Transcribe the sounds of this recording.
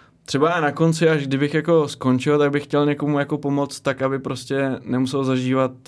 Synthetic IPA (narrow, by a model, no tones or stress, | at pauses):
t̪r̝̥ɛbaanako̞nt͡sɪaʒɡdɪbɪxjako̞sko̞nt͡ʃɪlt̪aɡ̚bɪxːcɛlɲɛko̞mujako̞po̞mo̞t͡st̪ːakabɪpɾo̞scɛnɛmusɛlzaʒiːvat̪̚